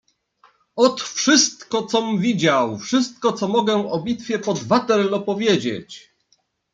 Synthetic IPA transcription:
ɔt̪fʂɘst̪kɔt̪sɔmvʲid͡ʑawfʂɘst̪̚kɔt̪sɔmɔɡɛɔbʲit̪fʲjɛpɔd̪vat̪ɛɾlɔpɔvʲjed͡ʑḛt͡ɕ

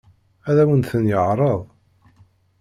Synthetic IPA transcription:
æðæwənθənjəʕɾˤəðˤ

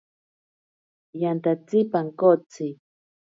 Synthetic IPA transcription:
jant̪at͡sɪpaŋkot͡si

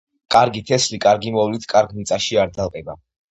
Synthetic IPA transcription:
kʼaɾɡit̪ʰɛslikʼaɾɡimɔwlit̪ʰkʼaɾɡmit̪sʼaʃiaɾd̪alˠqʼɛba

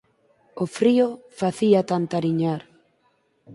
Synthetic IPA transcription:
ofɾiofaθiat̪ant̪aɾiɲaɾ

